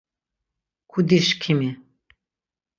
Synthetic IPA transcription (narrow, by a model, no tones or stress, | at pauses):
kʰud̪iʃkʰimi